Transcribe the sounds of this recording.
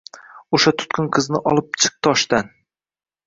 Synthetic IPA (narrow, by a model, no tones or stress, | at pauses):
oʃat̪ʰʊ̥t̪kʰʊŋqʰɨznɪʔɒlˠɪp̚t͡ʃʰɨ̥q̚t̪ʰɒʃt̪an